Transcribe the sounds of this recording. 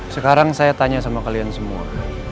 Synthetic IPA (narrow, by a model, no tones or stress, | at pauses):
səkaɾaŋsajat̪aɲasamakaliansəmua̰